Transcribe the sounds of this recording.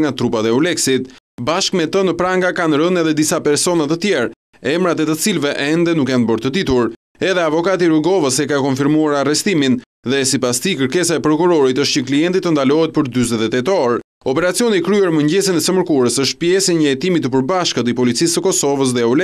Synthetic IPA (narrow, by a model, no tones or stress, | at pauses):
ŋɡat̪ɾupat̪ɛulɛksit̪ | baʃkmɛt̪ənəpɾaŋɡakanɾənɛðɛd̪isapɛɾsɔnat̪ət̪jɛɾ | ɛmɾat̪ɛt̪ət͡silvɛʔɛnd̪ɛnukjanbəɾt̪əd̪it̪uɾ | ɛðɛavɔkat̪̬iɾuɡɔvəsɛkakɔnfiɾmuaɾarɛst̪imin | ðɛsipast̪ikəɾkɛsaɛpɾɔkuɾɔɾit̪əʃt̪ɲəkliɛnt̪it̪ːənd̪alɔɦɛt̪̚pəɾd̪yzɛt̪ɛt̪ɛt̪ɔɾ | ɔpɛɾat͡siɔnikɾyɛɾməɲɟɛsənɛsəməɾkuɾəsəʃt̪̚pjɛsiɲəɛt̪imit̪əpəɾbaʃkət̪ipɔlit͡sisːəkɔsɔvəs̬ðɛulɛ